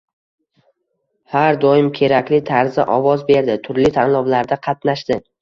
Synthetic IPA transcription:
haɾd̪ɒjɪmkʲʰe̞ɾakʲlɪt̪ʰaɾza̰ʔɒvɒzbe̞ɾd̪ɪt̪ʰʊɾlɪt̪ʰanlˠɒblaɾd̪aqʰɑt̪naʃd̪ɪ

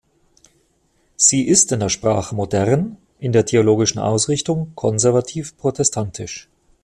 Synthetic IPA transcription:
z̥iːʔɪstɪndeːɐʃpʁ̥aːχəmodɛʁn | ʔɪndeːɐtʰeoloːɡɪʃn̩ʔa̰ʊsʁɪçtʊŋkʰɔnzɛɐvatʰiːfpʁ̥otʰɛstʰantʰɪ̰ʃ

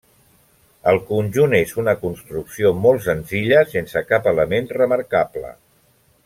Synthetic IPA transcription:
əlˠkunʲʒunezunəkunst̪ɾuksiomɔlˠtsənziʎəsensəkapələmenrəməɾkaplə̰

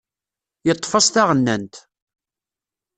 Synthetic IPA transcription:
jət̪ˤːfɑsˤt̪æʁənːænt̪

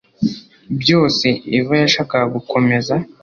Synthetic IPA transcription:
bjo̞ːse̞ivajaʃaːkaɡukʰo̞me̞za

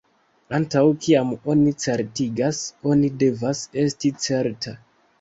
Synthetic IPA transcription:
antawkʰiamo̞nit͡se̞ɾtiɡaso̞nide̞vase̞stit͡se̞ɾta

